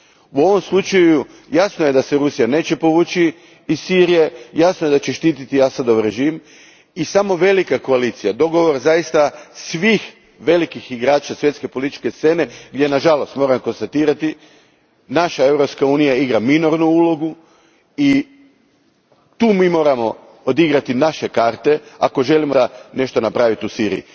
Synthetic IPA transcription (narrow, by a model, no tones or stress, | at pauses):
uo̞ʋo̞mslˠut͡ʃaju | jasnoje̞d̪aseɾusijane̞ːt͡ɕe̞po̞ʋuːt͡ʃiː | z̥siːɾije̞jasnojed̪at͡ɕeʃt̪iːt̪it̪iasad̪o̞ʋɾe̞ʒim | isamo̞ʋe̞likako̞alit̪sijad̪o̞ɡo̞ʋoɾzajist̪asʋiːx | ʋe̞likixiɡɾaːt͡ʃasʋje̞t̪ske̞po̞lit̪i̥t͡ʃke̞st̪se̞ne̞ɡd̪ʲje̞naʒalo̞st̪mo̞ːɾamko̞nst̪at̪iːɾat̪i | naʃae̞wɾopskauːnijaiɡɾamino̞ɾnuuːlˠo̞ɡu | i | t̪uːmiːmo̞ːɾamo̞ | od̪iɡɾat̪inaʃekaːɾt̪e̞a̰ko̞ʒe̞limone̞ʃt̪onapɾaːʋit̪usiːɾḭji